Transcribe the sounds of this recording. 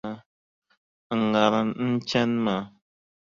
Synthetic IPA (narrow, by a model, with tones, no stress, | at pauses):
ɡa˨ɾa˨nn̩˦t͡ʃɛ˦nma˨